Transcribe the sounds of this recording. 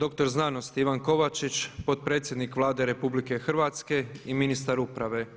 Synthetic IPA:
d̪o̞kt̪o̞ɾznano̞st̪iʋanko̞ʋat͡ʃit͡ʃpo̞t̪̚pɾet̪sjed̪nikʋlˠaːd̪e̞ɾe̞publike̞xrʋat̪ske̞iminist̪aɾupɾaʋe̞

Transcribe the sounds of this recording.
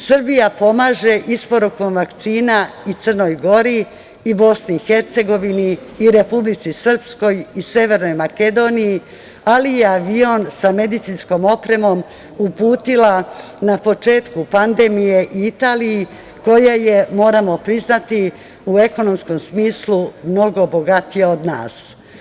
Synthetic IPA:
sɨr̩bijapo̞maːʒe̞ʔispo̞ɾukomʋakt̪siːnait̪sərno̞jɡo̞ɾiː | bo̞sniixe̞ɾt̪se̞ɡo̞ʋiniːɾe̞publit̪sisr̩psko̞jise̞ʋe̞ɾno̞jmake̞d̪o̞niji | alijeaʋionsame̞d̪it̪sinsko̞mo̞pɾe̞mo̞m | upuːt̪ila | napo̞t͡ʃe̞ːt̪kupand̪e̞mije̞ʔiit̪aːliji | ko̞jajemo̞ːɾamo̞pɾiznat̪i | ue̞ko̞no̞msko̞msmiːslumno̞ɡo̞bo̞ɡat̪ijeod̪na̰ːs

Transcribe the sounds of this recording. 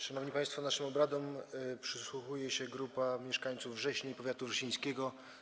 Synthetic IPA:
ʂanɔvɲipãjst̪fɔnaʂɘmɔbɾad̪ɔmpʂɘswuxujɛɕɛɡɾupamʲjɛʂkaɲt̪suvːʐɛɕɲejipɔvʲjat̪uvʐɛɕĩj̃skʲɛɡɔ

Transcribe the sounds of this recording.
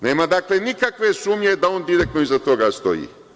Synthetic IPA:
ne̞ːmad̪aːkle̞nikakʋe̞suːmɲe̞d̪ao̞ːnd̪iɾek̚t̪noizat̪o̞ɡast̪o̞̰jḭː

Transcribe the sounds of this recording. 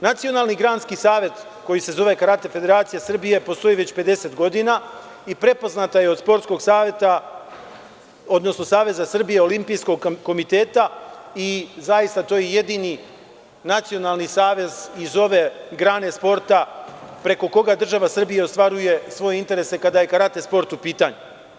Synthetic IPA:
nat̪sio̞naːlˠniɡɾaːnskisaːʋe̞t̪ | ko̞jise̞zo̞ʋe̞kaɾat̪e̞fe̞d̪e̞ɾaːt̪sijesr̩bije̞po̞st̪o̞jiʋe̞t͡ɕpe̞d̪e̞se̞t̪ɡo̞d̪inaː | ipɾe̞po̞znat̪aje̞o̞d̪spo̞ɾt̪sko̞ɡsaːʋje̞t̪a | o̞d̪no̞sno̞saːʋe̞zasr̩bije̞o̞limpijsko̞ɡ̚ko̞mit̪e̞ːt̪aizajist̪at̪o̞ːjeje̞d̪ini | nat̪sijo̞nalˠnisaːʋe̞zizo̞ʋe̞ɡɾaːne̞spo̞ɾt̪apɾe̞ko̞ko̞ɡad̪r̩ʒaʋasr̩bijeost̪ʋaɾuje̞sʋo̞je̞int̪e̞ɾe̞se̞kad̪aje̞kaɾat̪e̞spo̞ɾt̪upiːt̪aɲu

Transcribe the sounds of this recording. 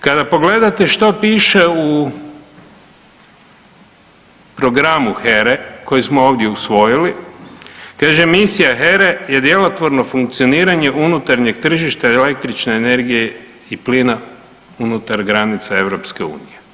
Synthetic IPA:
kad̪apo̞ɡle̞d̪at̪e̞ʃt̪opiːʃe̞u | pɾo̞ɡɾamuxeɾeko̞jismooːʋd̪ʲje̞usʋo̞jili | kaːʒemisijaxeɾeje̞d̪je̞lot̪ʋo̞ɾno̞fuŋk̚t̪sio̞niːɾaɲe̞ʔunut̪aɾɲe̞ɡ̚t̪r̩ʒiʃt̪aele̞k̚t̪ɾit͡ʃneːne̞ɾɡije̞ | ipliːna | unut̪aɾɡɾanit̪sae̞ʋɾo̞pskeṵːnije̞

